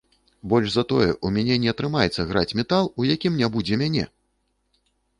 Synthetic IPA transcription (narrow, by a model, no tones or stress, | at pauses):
bɔlʲʐzɐt̪ɔjɛ̰ʔumʲanʲɛnʲɛɐt̪ɾɨmajɛt̪sːɐɣɾa̰t͡sʲmʲɛt̪alˠujakʲimnʲabud͡zʲɛmʲanʲɛ̰